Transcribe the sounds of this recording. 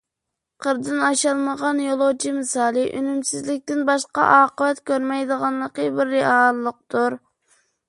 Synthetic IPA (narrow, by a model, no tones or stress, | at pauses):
qʰəɾd̪ɨnɑʃɑlˠməʁɑnjolˠot͡ʃʰimɨsɑːlˠɨʔynymsɪzlɪk̚ʲt̪ɪnbɑʃqɑ̰ʔɑːqəvɛt̪kʲʰøɾmɛjd̪əʁɑnlˠəqəbɪɾːɪɑlˠːəq̚t̪ʰuɾ